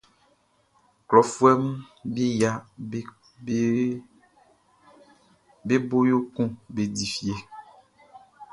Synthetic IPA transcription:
klɔ˨fu˦ɛ˦mũ˦bi˦ja˦ | be˦bo˦jo˦kũ˦be˨di˨fi˨e˨

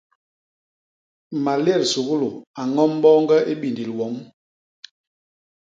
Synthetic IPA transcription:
ma˨lɛ˦˨ɾsu˨ɣu˦lo˨a˨ŋɔ˦m˦bɔː˦ŋɡɛ˦ʔe˦ɓi˨ndi˨lwɔ˨˦m

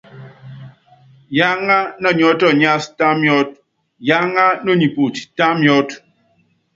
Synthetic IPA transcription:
ja˦ŋa˦nɔ˦˨ɲɔ˦tɔ˦˨ɲa˦sta˦mjɔ˦t̚ | ja˦ŋa˦no˦˨ɲi˨pu˨ti̥˨ta˦mjɔ˦t

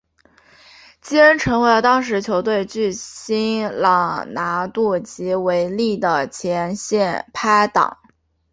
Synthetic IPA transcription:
t͡ɕi˥ə˥nʈ͡ʂʰɤ˧˥ŋwe˧˥lə˧˩t̪ɑ˥ŋʂ̬ɻ̩˧˥t͡ɕʰjo˧˥ʊt̪̬we˥˧ɪt͡ɕy˥˩ɕi˥nlɑ˨˩ŋna˧˥t̪u˥˩t͡ɕi˧˥we˧˥ɪli˥˩d̪ə˩t͡ɕʰjɛ˧˥nɕjɛ˥˩npʰa˥ɪt̪ɑ̰˨˩˦ŋ

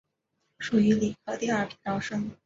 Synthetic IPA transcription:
ʂu˨˩y˧˥li˨˩kʰɤ˥t̪i˥˧ɐ˞˥˩pʰi˧˥ŋt̪ɑ˥ʊʂɤ˥ŋ

